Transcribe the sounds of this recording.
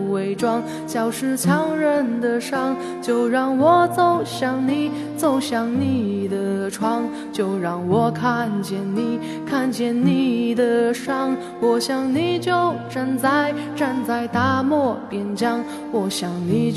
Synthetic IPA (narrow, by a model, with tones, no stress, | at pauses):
we˧˥ɪʈ͡ʂwɑ˥ŋ | ɕjɑ˨˩ʊʂɻ̩˥˧t͡ɕʰjɑ˧˥ŋɻə˧˥nd̪ə˧ʂɑ˥˧ŋ | t͡ɕjo˥˧ʊɻɑ˥˧˩ŋwɔ˨˩t͡so˥˩ʊɕjɑ˨˩ŋni˨˩ | t͡so˥˧˩ʊɕjɑ˨˩ŋni˧˩d̪ə˩ʈ͡ʂʰwɑ˥ŋ | t͡ɕjo˥˧ʊɻɑ˥˩ŋwɔ˨˩kʰa˥˧nt͡ɕjɛ˥˩nni˨˩ | kʰa˥˧nt͡ɕjɛ˥˧nni˧˩d̪ə˩ʂɑ˥˩ŋ | wɔ˨˩ɕjɑ˨˩ŋni˨˩t͡ɕjo˥˧ʊʈ͡ʂa˥˧nt͡sa˥˧ɪ | ʈ͡ʂa˥˧nt͡sa˥˩ɪt̪a˥mwɔ˥˩pjɛ˧˥˩nt͡ɕjɑ˥ŋ | wɔ˧˩ɕjɑ˧˩ŋni˨˩